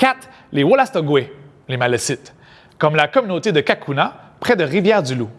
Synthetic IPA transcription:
kʲat̪ | lewolast̪ɔɡwɛ | lemalɛsɪt̪ | kɔmlakɔmynot̪ed̪əkʲakʰunapχɛd̪əʁivjɛːʁd̪ylu

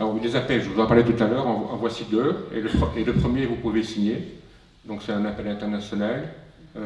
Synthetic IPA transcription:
lɔvud̪ezapɛlʒəvuzɔ̃paʁlet̪ut̪alœʁɑ̃ɑ̰̃vwasid̪øḛləpled̪øpχəmjevupuvesiɲe | d̪ɔ̃ksɛt̪ɛ̃napɛlɛ̃t̪ɛʁnasjɔnal

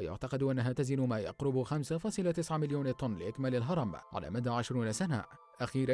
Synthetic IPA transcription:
wajʊ̰ʕt̪ɑqɪd̪ʔanːaɦaːt̪azinʊmaːjɑ̰qɾʊbxamsafɑːsˤɨlat̪ɪsʕamɪljoːnt̪ˤʊnlɪʔɪkmalɪlɦɑɾˤɑmʕa̰la̰ːmad̪aːʕɪʃɾuːnasana̰ | ʔaxiːɾa

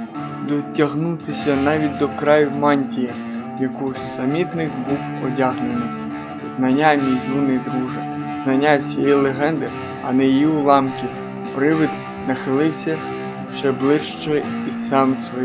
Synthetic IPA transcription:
d̪ɔtʲɐɦnut̪ɪsʲɐnɑʋʲit̚ʲd̪ɔkɾɑjʊwmɑnʲtʲijɐ | jɐkusɐmʲit̪nɪxbuw | ɔdʲɑɦlʲenɪj | znɐnʲamʲijd̪unɪjd̪ɾuɦɪ | znɐnʲːasʲijilˠeɦɛnd̪ɪ | ɐ̰nɛjijiʊlˠɑmkʲi | pɾɪʋɪd̪ | nɐxɪlˠɪwsʲɐ | t͡ʃɛblˠɪʃt͡ʃɔisɑmsʋɔ

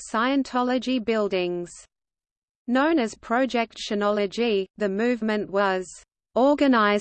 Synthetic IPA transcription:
saɪə̃ntʰɑlˠəd͡ʒibɪlˠdɪ̃ŋz̥ | nə̃ʊ̃nɨz̥pʰɹ̥əd͡ʒɛk̚tʃənɑlˠəd͡ʒiðɨmʉːvmə̃nʔwʌz̥ | ɔːɡɨnaɪ

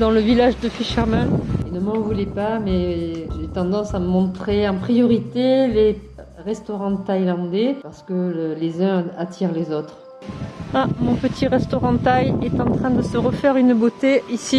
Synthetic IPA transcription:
d̪ɑ̃ləvilaʒd̪əfiʃaʁmɛ̃enəmɑ̃vulɛpamɛʒet̪ɑ̃d̪ɑ̃saməmɔ̃t̪χeɑ̃pχijɔʁit̪ele | ʁɛst̪ɔʁɑ̃ət̪ajlɑ̃d̪epaʁsə̥kəlezœ̃at̪ʰiʁlezɔt̪χ | amɔ̃pət̪ʰiʁɛst̪ɔʁɑ̃ət̪ajɛt̪ɑ̃t̪χɛ̃d̪əsəʁəfɛʁynbot̪eisi

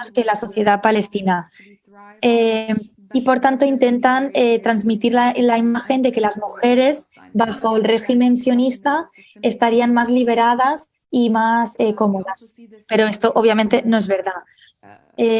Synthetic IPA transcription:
ske̞laso̞θje̞ð̞apale̞st̪ina | e | ipo̞ɾt̪ant̪oint̪e̞nt̪anet̪ɾanzmit̪iɾlalaimaxe̞nd̪e̞ke̞lazmuxe̞ɾe̞z | baxo̞elre̞ximẽ̞nsjo̞nist̪a | e̞st̪aɾianmazliβ̞e̞ɾað̞as | imaseko̞mo̞ðaspe̞ɾo̞e̞st̪o̞ʔoβjamẽnt̪e̞no̞e̞zβe̞ɾða | e

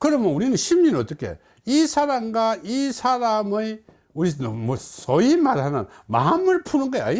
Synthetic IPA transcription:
kɯɾʌmjʌnuɾinɯnɕʰimɲɯnʌt͈ʌkʰe̞̰ | isʰaɾamɡaisʰaɾamɯj | uɾinmʌsʌimaɾhanɯnma̰ɦmɯɭpʰunɯnɡʌa̰ɲi

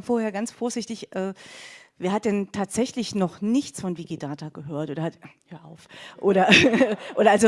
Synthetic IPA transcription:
foːɐheːɐɡansfoːɐzɪçtɪçʔɛːveːɐhat̚d̥ɛntʰaːtz̥ɛçlɪçnɔχnɪçt͡sfɔnviɡidaːtʰaɡ̥əɦøːɐtʔoːdɐhathøːɐʔa̰ʊfʔoːɾɐʔoːɾɐʔalzo

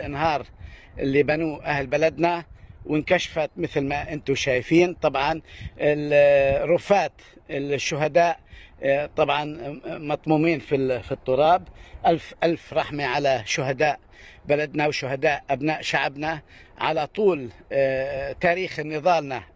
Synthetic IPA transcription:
lʔɪnɦɑːɾˤ | ʔɪ̰lːibanuːʔahlbalad̪nawʔɪnkaʃfat̪mɪθlmaʔɪnt̪ʊʃaːjfiːnt̪ˤɑbʕɑnɪ | ɾʊfːaːt̪ | ɪlʃːʊɦad̪aːʔt̪ˤɑbʕɑnmɑt̪ˤmuːmiːnfifit̪ˤːʊɾˤɑːbʔalfʔalfɾˤɑħmiʕalaʃʊɦad̪aːʔ | balad̪nawʃʊhad̪aːʔʔabnaːʔʃaʕbna | ʕa̰lat̪ˤuːl | t̪aːɾiːxnːɨðˤɑːlna

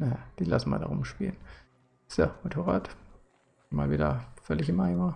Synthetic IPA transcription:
najad̥iːla̰sn̩ma̰da̰ʁʊmʃpḭːlən | somotʰoːʁa̰ːtː | maːlviːdɐ̰fœlɪçɪmʔaɪvaː

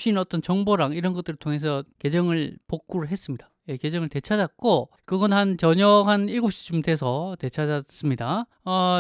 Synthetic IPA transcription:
ɕʰinʌt͈ʌnt͡ɕʌŋboɾaŋiɾʌnɡʌt͈ɯɾɯɭtʰoŋe̞sʰʌke̞d͡ʑʌŋɯɭpok̚k͈uɾɯɭɦe̞s͈ɯmɲid̥ajeked͡ʑʌŋɯɭte̞t͡ɕʰad͡ʑat̚k͈o | kɯɡʌnhant͡ɕʌɲʌɦaniɭɡop̚ɕ͈i̥t͡ɕ͈omte̞sʰʌte̞t͡ɕʰad͡ʑas͈ɯmɲida | ʌ

